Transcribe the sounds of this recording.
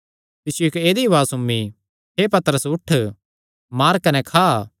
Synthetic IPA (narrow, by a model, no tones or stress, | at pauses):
t̪ɪsjokeːd̪iʋaːsʊmi | ɦepɐt̪əɾəsʊʈʰ | maːɾkɐnɛkʰaː